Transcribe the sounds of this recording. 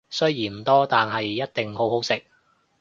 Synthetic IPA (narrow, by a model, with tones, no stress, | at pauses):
sɵ˥ɥjiː˨˩nm̩˨˩t̪ɔː˥t̪aː˨nɦɐ˨jːɐ˥t̚t̪ɪ˨ŋɦo˨˥who˨˥wsɪ˨k̚